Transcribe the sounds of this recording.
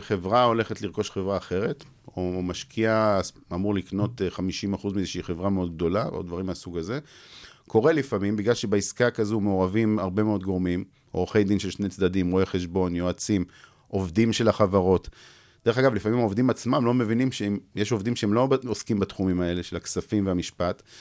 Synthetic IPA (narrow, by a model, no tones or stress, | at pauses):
χe̞vʁao̞le̞χetliʁko̞ʃχevʁaːχe̞ʁe̞t̪ | o̞maʃkʰia | amuʁlikno̞t̪eχamiʃimaχuzmiezeʃeiχe̞vʁameo̞d̪̚ɡ̚d̪o̞lao̰d̪vaʁimasuɡaze̞kʰo̞ʁe̞lifamimbiɡlalʃebaiskakazumeoʁavimaʁbe̞meo̞d̪ɡo̞ʁmim | oʁχejd̪inʃe̞lʃne̞jt͡sd̪adimʁo̞eχe̞ʃ̬bo̞njoat͡sim | ʔovd̪imʃe̞laχavaʁo̞t | d̥e̞ʁe̞χaɡavlifamimaovd̪imat͡smamlo̞mevinimʃemjeʃo̞vd̪imʃeemlo̞oskimbat̪χumimae̞le̞ʃelhaksafimveamiʃpat̪